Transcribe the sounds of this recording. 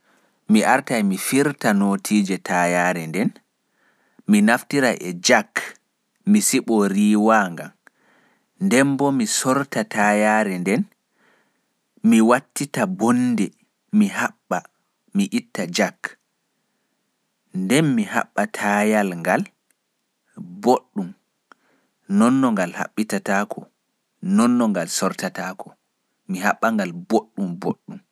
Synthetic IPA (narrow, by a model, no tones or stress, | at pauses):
miʔaɾtajmifiɾtanotʰiːd͡ʒɛtʰajaːɾɛndɛn | minaftiɾa̰ʔɛd͡ʒak | misiɓɔɾiːwaːŋɡam | ndɛmbɔmisɔɾtatʰajaːɾɛndɛn | miwatːitabɔnːdɛ | mihaɓːa | miʔitːad͡ʒak | ndɛnmiha̰ɓːatʰajalŋɡal | boɗːum | nɔnːɔŋɡalha̰ɓːitataːkʰɔ | nɔnːɔŋɡalsɔɾtatakɔ | miɦaɓːaŋɡalboɗːumboɗːum